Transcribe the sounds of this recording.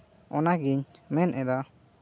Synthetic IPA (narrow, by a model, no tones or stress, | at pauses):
ɔnaɡiɲmɛnʔɛd̪ɔ